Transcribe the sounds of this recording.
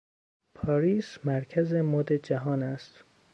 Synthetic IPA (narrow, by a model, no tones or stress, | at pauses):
pʰɒːɾiːsmæɾcʰæzemoːd̪ed͡ʒæɦɒːnæst̪